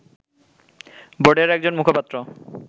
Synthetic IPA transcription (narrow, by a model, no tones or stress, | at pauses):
boɖeɾɛk̚d͡ʑonmukʰopat̪ːɾo